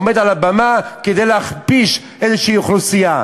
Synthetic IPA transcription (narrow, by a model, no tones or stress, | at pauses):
med̪alabamaked̪ejleaχpiʃ | ezeʃijuχlusija